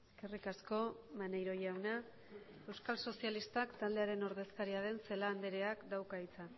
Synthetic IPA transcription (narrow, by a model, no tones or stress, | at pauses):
eskerikasko̞manejɾo̞jawna | e̞wskalso̞sialist̪akt̪ald̪e̞aɾe̞no̞ɾð̞e̞skaɾiaðe̞nselaːnd̪eɾe̞akd̪awkait͡sa